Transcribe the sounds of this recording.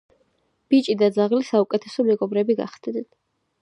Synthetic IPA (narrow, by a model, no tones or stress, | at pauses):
b̥it͡ʃʼid̪ad̪zaʁlisaukʼɛt̪ʰɛsɔmɛɡɔbɾɛbiɡa̰χsd̪̥nɛn